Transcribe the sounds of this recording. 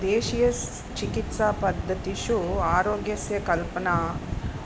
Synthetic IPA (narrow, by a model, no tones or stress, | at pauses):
d̪eːʃijɐs | t͡ʃikit̪saːpɐd̪ʱːɐt̪iʃuaːɾoːɡjɐsjɐkɐlpɐnaː